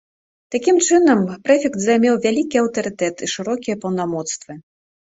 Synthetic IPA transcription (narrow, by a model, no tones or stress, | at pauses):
t̪akʲimt͡ʂɨnɐmpɾɛfʲɛkt̪zajmʲɛwvʲalʲikʲiɐwt̪ɐɾɨt̪ɛt̪iʂɨɾɔkʲijɐpɐwnamɔt̪st̪vɨ